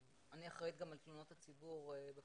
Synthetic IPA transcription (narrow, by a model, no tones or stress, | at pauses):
aniaχʁit̪ɡamalt̪lunot̪hat͡sibuʁebe